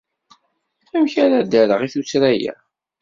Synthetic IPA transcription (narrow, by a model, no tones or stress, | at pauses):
æmçæɾæd̪æɾəʁiθusɾæjæ̰